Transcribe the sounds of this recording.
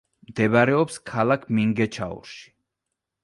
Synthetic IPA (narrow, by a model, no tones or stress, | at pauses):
md̪ɛbaɾɛɔpskʰalˠakʰmiŋɡɛt͡ʃʰaṵɾʃi̥